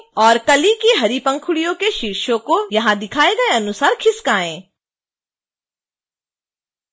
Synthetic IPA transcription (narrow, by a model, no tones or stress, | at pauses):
ɔːɾkɐlikiɦɐɾipɐ̃ŋkʰʊɽijõkeʃiɾʃõkojɐɦãd̪ɪkʰaːeɡɐeɐnʊsaːɾkʰɪskaːẽː